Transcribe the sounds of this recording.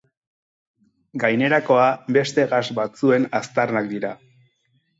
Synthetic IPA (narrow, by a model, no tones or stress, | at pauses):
ɡajne̞ɾako̞abe̞st̪e̞ɣasbat͡sue̞nast̪arnak̚d̪iɾa